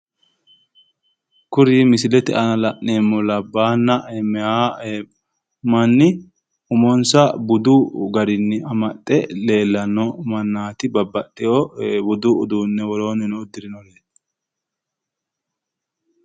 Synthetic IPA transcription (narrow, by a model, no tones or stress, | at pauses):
kʊɾiːmɪsɪlɛt̪ɛ̰ʔɐnɐlɐʔnemːɔlɐbːaːnːɐʔemɛaː | mɐnːɪ | ʊmɔnsɐbʊd̪ʊɡɐɾɪnːɪɐmɐtʼːɛle̞ːlːɐnːɔmɐnːaːt̪ɪbɐbːɐtːɪjɔbʊd̪ʊʊd̪uːnːɛwɔɾo̞ːnɛnʊd̪ːɪɾɪnɔleː